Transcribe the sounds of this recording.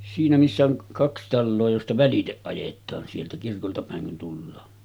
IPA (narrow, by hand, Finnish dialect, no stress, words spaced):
siːnæ misːæ oŋ kɑks tɑlːoː jostɑ ʋæliteʔ ʔɑjetˑɑːn sieltæ kirkoltɑ pæˑeŋ kun tulːɑː